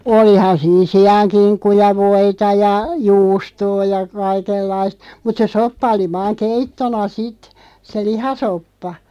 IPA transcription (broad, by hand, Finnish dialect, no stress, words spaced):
olihɑn siːn siɑŋkinkːu jɑ ʋoitɑ jɑ juːstoː jɑ kɑikelːɑist mut se sopːɑ oli ʋɑːŋ keitːonɑ sit se lihɑsopːɑ